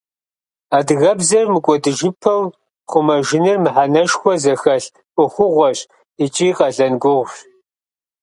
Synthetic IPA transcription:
aːdɨɣɐbzɐrmɨkʷʼɔdɨʒɪpʰɐw | χʷʊmɐʒɪnɨrmɨħanɐʃxʷɔzɐxɐɬ | kʷʼʊxʷʊʁʷɔɕʼ | it͡ʃʼiːqɐɮɐnɡʷʊʁʷɕ

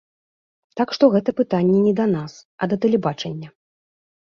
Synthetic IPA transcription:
t̪akʂt̪ɔɣɛt̪ɐpɨt̪anʲːɛnʲɛd̪ɐnasɐd̪ɐt̪ɛlʲɛbat͡ʂɐnʲːɐ

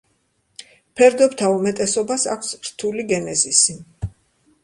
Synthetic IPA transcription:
pʰɛɾd̪ɔpt̪ʰaumɛt̪ʼɛsɔbasa̰kʷʰsɾt̪ʰuliɡɛnɛzisi

